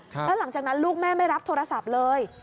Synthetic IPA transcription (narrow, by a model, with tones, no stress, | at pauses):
lʰɛː˦˥la˨˩˦ŋt͡ɕaː˨˩k̚na˦˥nluː˥˩k̚mɛː˥˩ma˥˩jɾa˦˥p̚t̪ʰoː˧ɾa˧sa˨˩p̚lɤː˧j